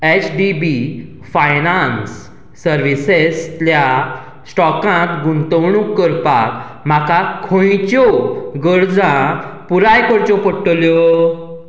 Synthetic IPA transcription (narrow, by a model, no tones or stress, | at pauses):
et͡ɕɖibi | fajnansː | əɾʋiseslja | sʈɔkãt̪ɡunt̪əwɳũkːəɾpak | m̤akakʰõjt͡ɕɔɡəɾd͡zãpuɾajkəɾt͡ɕɔpəʈːljɔ